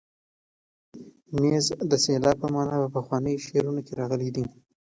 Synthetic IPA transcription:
nezd̪əselɑpəmɑnɑpəpəxwɑnəjʃeɾunokeɾɑɣəled̪i

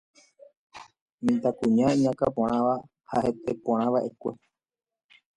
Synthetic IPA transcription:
mĩt̪akũɲãiɲãkapõɾ̃ãʋa | ha̰het̪epõɾãʋaʔe̞kʷe

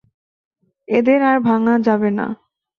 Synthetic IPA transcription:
ed̪eɾaɾbʱaŋad͡ʑabena̰

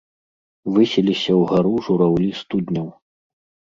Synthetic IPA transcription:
vɨsʲɛlʲisʲɐwɣaɾuʐuɾawlʲist̪ud̪ʲnʲɐw

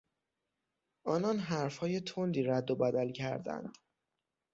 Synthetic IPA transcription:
ʔɒːnɒnɦæɾfhɒːje̞t̪ʰond̪iːɾæd̪ːobæd̪ælcʰæɾd̪æ̰nd̪̥

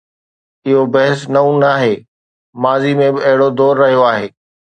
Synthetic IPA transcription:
ɪɦobɐɦɪsnɐũnaːɦeː | maːzimẽbɪɐɦɪɽod̪ɔːɾːɐɦijoaːɦeː

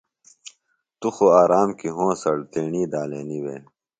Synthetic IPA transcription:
t̪uxoaːɾaːmkiɦõːsɐɽt̪eːɳiːd̪aːleːniwḛː

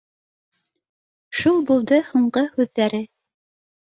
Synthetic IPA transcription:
ʃulˠbulˠd̪ɤhuɴɢɤhʉðːæɾɘ

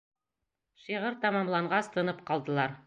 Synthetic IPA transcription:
ʃiʁɤɾt̪ɑmɑmlˠɑɴɢɑst̪ʰɤ̆nɤp̚qɑlˠd̪ɤ̆lˠɑɾ

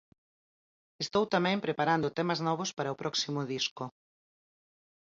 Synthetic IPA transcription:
est̪owt̪amɛ̃mpɾepaɾand̪ʊt̪emɐznɔβ̞ʊspaɾɐopɾɔksimʊðiskʊ

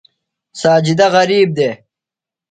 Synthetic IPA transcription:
saːd͡ʑid̪ɐʁɐɾiːb̚d̪eː

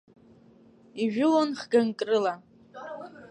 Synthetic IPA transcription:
iʒᶣʊlonχɡankʼrɨla

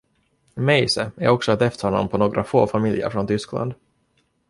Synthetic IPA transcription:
mɛjsəæɾɔksɔɛt̪ɛft̪ʰhɔnːɔ̰mpʰɔnoːɡɾʔafoːfamɪljə̰ɾfɾɔnt̪ʰʏskla̰nd̪

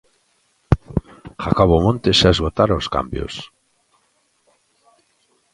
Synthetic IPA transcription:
xakoβomõnt̪esaezɣot̪aɾoska̰mbjo̰s

